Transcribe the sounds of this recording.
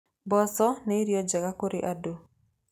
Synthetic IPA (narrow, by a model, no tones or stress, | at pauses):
bɔsɔnɛiɾjɔd͡ʒakakoɾiʔado